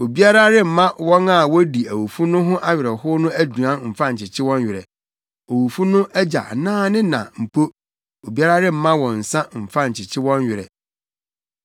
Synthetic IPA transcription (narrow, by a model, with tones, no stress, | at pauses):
o˨bi˦a˦ɾa˦ɾɪ˦m̩˨mã˦wɔ̃˦na˦˨wɔ˦di˨æ˨wu˨fu˦nʊ̃˦ɦʊ̃˦ʔa˦ɥɪ˨ɾɛ˨hʊ˦nʊ̃˦æ˦du˨ã˦˨m̩˨fã˦ɲ̩˨t͡ɕʰɪ˨t͡ɕʰɪ˦wɔ̃˦ɲ˦ɥɪ˨ɾɛ̰˨ | o˨wu˨fu˦nʊ̃˦ʔæ˦d͡ʑa̰˨nãː˦nɪ̃˦nã̰˨m̩˨pʰo˦ | o˨bi˦a˦ɾa˦ɾɪ˦m̩˨˦mã˦wɔ̃˨n̩˨sã˦m̩˨fã˦ɲ̩˨t͡ɕʰɪ˨t͡ɕʰɪ˦wɔ̃˦ɲ˦ɥɪ˨ɾɛ̰˨